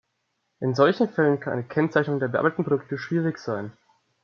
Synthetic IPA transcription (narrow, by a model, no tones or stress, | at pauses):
ʔɪnzɔlçn̩fɛlənkʰana̰ɪnəkʰɛnt͡saɪçnʊŋdeːɐbəʔa̰ːbatətn̩pʰʁodʊk̚təʃv̥iːʁɪçz̥aɪn